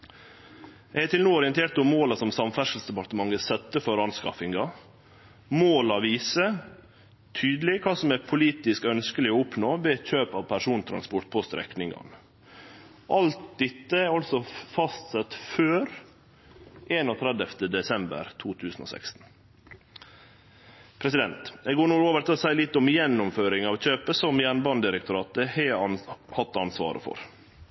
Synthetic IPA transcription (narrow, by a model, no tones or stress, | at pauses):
ɛɡæt̪ɪlnuːɔɾɪənt̪ʰeːʈt̪ʊmmoːlɑsɔmsɑmfæʂl̩sd̪ɛpɑt̪əmɑŋːəsɛt̪ːəfɔɾɑnskɑfɪŋɡɑ | moːlɑʋiːsə | t̪ʰyːd̪lɪkʰɑːsɔmæpʰʊliːt̪ɪskœnskəlɪoʊpnoːʋeːt̪çøːpɑʋpʰæʂuːnt̪ʰɾɑ̰nspɔʈ̪̚pʰɔst̪ɾɛ̰knɪŋɑ̰n | ʔɑlt̪̚d̪ɪt̪ːəæɾɑlsɔfɑst̪sɛt̪føːɾ | ʔeːnɔːt̪ʰɾɛd̪əft̪əd̪ɛsɛmbə̰ɾt̪ʰuːt̪ʰʉːsən̩o̰ːsɛ̰kst̪n̩ | pʰɾɛsɪd̪ɛnt̪ɛɡoːɳuːɾoːʋəɾt̪ɪlɔsæɪlɪt̪ːɔmjɛnːʊmføːɾɪŋɑʋc͡çøːpəsɔmjæɳbɑnd̪ɪɾɛkt̪ʰʊɾɑːt̪̚əhɛhɑt̪ːɑnsʋɑ̰ːɾə̰fɔ̰ɾ